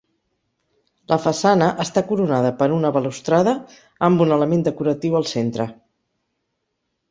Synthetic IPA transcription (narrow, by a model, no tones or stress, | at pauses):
lʔəfəsanəʔəst̪akuɾunaðəpəɾunəβəlust̪ɾaðə | əmbunələmend̪əkuɾət̪iwəlˠsent̪ɾə